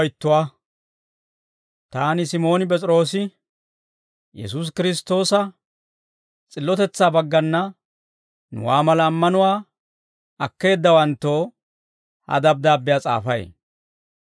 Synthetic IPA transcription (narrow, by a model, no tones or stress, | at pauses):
jt̪ːʊwaː | t̪aːnɪsɪmo̞ːnɪpɛt͡sʼɾo̞ːsɪ | jɛ̰sus̬kɪɾɪst̪o̞ːsɐ | t͡sʼɪlːɔt̪ɛt͡sːaːbɐɡːɐnːɐ | nʊ̰waːmɐlɐːmːɐnʊwaː | ɐkːe̞ːd̪ːɐwɐnt̪ːo̞ː | hɐ̰d̪ɐb̚d̪aːbːɪjat͡sʼa̰ːfɐj̰